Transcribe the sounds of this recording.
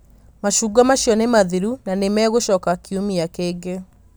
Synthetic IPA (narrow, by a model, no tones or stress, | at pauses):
maʃuːɡamaɕjɔnemaðiɾunanemɛːɣoʃɔːkakiomiakeːɡe